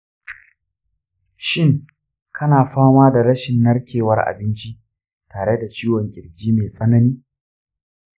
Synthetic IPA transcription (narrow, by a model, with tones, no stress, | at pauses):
ʃɪ˦ŋ | kʰɐ˦naː˨ɸaː˦maː˦da˨ɾɐ˦ʃɪ˨nːɐ˦ɽkʲʰeː˨wɐ˦rʔa̰˨bɪ˦nt͡ʃi˦ | taː˨ɽe˦da˨t͡ʃiː˦wɔ˨ŋkʲʼɪ˨ɾɡʲiː˦meː˨sʼɐ˦nɐ˦niː˦